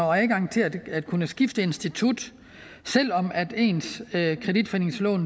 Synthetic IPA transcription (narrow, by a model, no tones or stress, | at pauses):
ɒæðɡ̥ɑ̈ŋ̰t͡sʰe̝læ̥æd̥kʰunəsɡ̥ifd̥əe̝nsd̥it͡sʰud̥ | sel̰ɒ̽mæd̥e̝̰ːnskʰʁɛd̥id̥fene̝ŋslɔ̰ːn